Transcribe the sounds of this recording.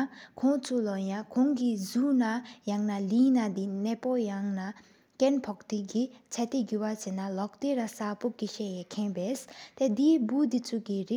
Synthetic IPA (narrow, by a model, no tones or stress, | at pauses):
kʰɔŋt͡sʰulɔjaŋkʰɔŋkizunajaŋnalinad̪inɛpojaŋna | kɛnpʰɔk̚t̪ikit͡ɕʰat̪eɡywat͡ɕenalɔk̚t̪eɾasapoʔkiɕɛjɛkʰenpest̪ed̪ibud̪it͡sʰukiɹe